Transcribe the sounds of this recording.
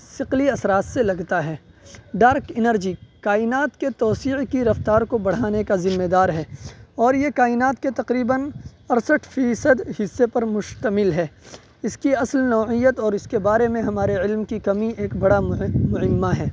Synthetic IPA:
sɪqliɐsɾaːt̪selɐɡt̪aɦɛː | ɖaːɾkɪnəɾd͡ʒikaːɪnaːt̪ket̪ɔːsiːʕkiɾɐft̪aːɾkobɐɽ̤aːnekazɪmːed̪aːɾɦɛːɔːɾjekaːɪnaːt̪ket̪ɐqɾiːbənɐɾsəʈʰfiːsəd̪hɪsːepɐɾmʊʃt̪əmɪlɦɛː | ɪskiɐslnɔːʕijət̪ɔːɾɪskebaːɾemẽɦɐmaːɾeɪlmkikɐmiʔeːkbɐɽamʊɦɪmːaɦɛː

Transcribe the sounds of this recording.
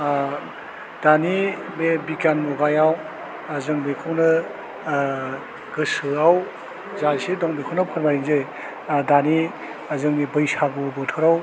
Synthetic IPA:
d̥anibebikanmɔbajaw | azɯŋbekʰɯwnɯ | ɡ̥ɯsɯaw | zajsedɔŋbekʰɔwnɯpʰɯɾmaɾinzej | dani | azɯŋnibɯjsaɡubɯtʰɯɾaw

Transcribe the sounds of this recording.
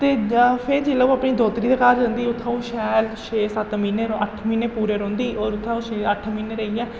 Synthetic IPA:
t̪eːpʰɪɾd͡ʒeːlauːapniːd̪oːt̪ɾiːd̪eːkaːɾd͡ʒãːnd̪iːʊt̪ʰːãːũːʃɛːlʃʰeːsət̪miːneːəʈʰmiːneːpuːɾeːɾõːnd̪iːʔoːɾʊt̪ʰːaũːʃeːəʈʰmiːneːɾəiɛ̃ː

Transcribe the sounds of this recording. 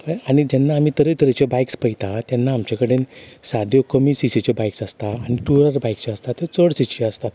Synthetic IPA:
aaɽ̃id͡ʑɛnːaːmiːt̪əɾət̪əɾət͡ɕɔbajkspəjt̪at̪janːaːmt͡ɕakəɽensad̪ʱjokəmiːsisit͡ɕɔbajksast̪aːɽ̃iʈuɾəɾbajk̚t͡ɕaəst̪at̪ːet͡səɽsit͡ɕiəst̪at̪̚

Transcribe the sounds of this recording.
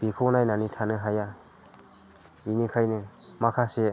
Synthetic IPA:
b̥ikʰonajnanitʰanɯɦaja | binikʰajnɯmakʰase

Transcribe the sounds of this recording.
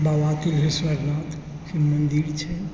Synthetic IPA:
baʋat̪ilɦesʋəɾnat̪ʰ | simənd̪iɾt͡ʃʰɛ

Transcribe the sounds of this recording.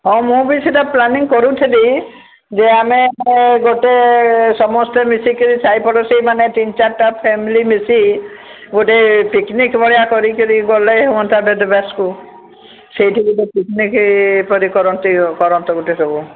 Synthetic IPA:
ɦɔ̃mũbisɔtaplaniŋkɔɾut̪ʰili | d͡ʒeameɡoʈesɔmɔst̪emisikiɾisajpɔɽɔsejmanet̪int͡ʃaɾʈapʰemilimisi | ɡoʈepiknikbɔɭjakɔɾikiɾiɡoleɦowɔnt̪ʰabed̪ɔbasku | sejʈʰibid̪epiknikpɔɾikɔɾɔnt̪ikɔɾɔnt̪ɔɡoʈesɔbu

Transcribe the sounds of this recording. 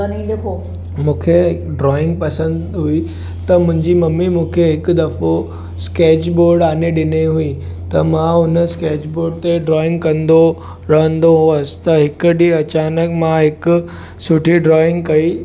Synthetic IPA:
ɐnĩd̪ekʰo | mũːkʰeɖɾɔːɪ̃ŋɡ̚pɐsə̃nd̪ɦui | t̪ɐmʊ̃ɦɪ̃ɲd͡ʑimɐmːimũːkʰeɦɪkʊd̪ɐfo | skeːt͡ɕboːɾɖaːneɗɪneɦuit̪ɐmãɦʊnə̆skeːd͡ʑboːɾɖt̪eɖɾɔːɪ̃ŋɡkɐ̃nd̪o | ɾɐɦə̃nd̪oɦʊəsɪ̥̆t̪ɐɦɪkʊɗiɐt͡ɕaːnəkmãɦɪkʊ̆ | sʊʈʰiɖɾɔːɪ̃ŋɡ̚kɐi

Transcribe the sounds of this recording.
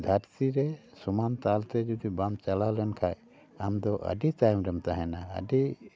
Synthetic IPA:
d̪ʱaɾt̪iɾɛ | sumant̪alt̪ɛd͡ʒud̪ibamt͡ʃalalɛnkʰaj | amd̪ɔʔə̰ɖit̪ajmɾɛmt̪aɦɛnaə̰ɖi

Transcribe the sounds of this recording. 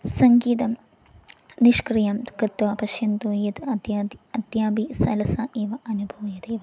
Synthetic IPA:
sɐŋɡiːt̪ɐm | niʃkrijɐmkɨt̪ːʋɐpɐʃjɐnt̪oːjɐt̪ɐd̪jd̪ɐd̪jaːbisɐlɐsaːʔeːʋɐʔɐnubʱɐʋɐjɐd̪eːʋɐ

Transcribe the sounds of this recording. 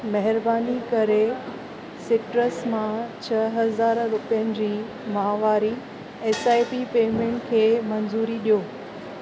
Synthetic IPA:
mɐɦɪɾbaːnikɐɾe | sɪʈɾəsmãt͡ɕʰɐɦɐzaːɾɾʊpijənɪ̆d͡ʑiː | mɐɦaʋaːɾi | eːsaːipipeːmẽːɳʈkʰeːmɐnzuːɾiɗijoː

